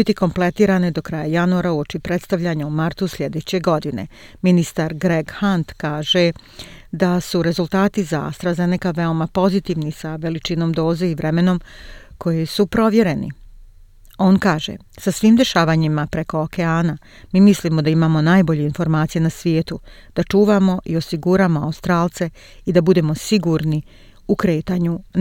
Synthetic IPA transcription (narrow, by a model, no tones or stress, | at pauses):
bit̪iko̞mple̞t̪iːɾanid̪o̞kɾaːjajanuaɾauo̞t͡ʃipɾet̪st̪aʋʎaɲaumaɾt̪usʎʲe̞d̪et͡ɕe̞ɡo̞d̪ine̞̰ | minist̪aɾɡɾeɡhant̪kaːʒe̞ | d̪asuɾe̞zult̪aːt̪iza̰st̪ɾazenekaʋe̞o̞mapo̞zit̪iːʋnisaʋe̞lit͡ʃino̞md̪o̞ːze̞iʋɾemeno̞mkʰo̞jisupɾo̞ʋje̞ɾe̞nḭ | o̞ːnkaːʒḛ | sasʋiːmd̪e̞ʃaːʋaːɲimapɾe̞ko̞okeaːna | miːmislimo̞d̪aimaːmo̞naːjbo̞ʎe̞info̞ɾmaːt̪sije̞nasʋjeːt̪ud̪̥at͡ʃuːʋaːmo̞ʔio̞siɡuːɾaːmo̞aust̪ɾaːlˠt̪se̞ | id̪abud̪e̞mo̞siɡuɾni | ukɾe̞ːt̪aːɲu